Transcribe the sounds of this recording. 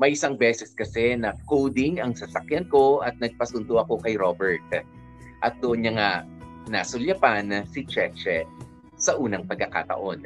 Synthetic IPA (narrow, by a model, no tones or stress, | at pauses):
mɐjʔɪsaŋbɛːsɛskɐsɛnɐkowd̪ɪŋɐŋsɐsɐkjanko̞ʔɐt̪̚nɐɡ̚pɐsʊnd̪oʔɐko̞kɐjɾobɛɹt̪̚ | ʔɐt̪̚d̪oʔonɲɐŋa | nasʊljɐpansit͡ʃɛt͡ʃɛ | sɐʔuːnɐŋpɐɡ̚kːɐka̰ːt̪ɐ̰ʔo̞n